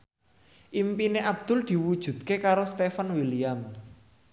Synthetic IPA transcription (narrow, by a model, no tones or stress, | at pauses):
ʔimpineʔab̚d̪̥ʊ̤ld̪̥i̤wud̥ʒ̥ṳd̪̚kekaɾost̪efanwiliam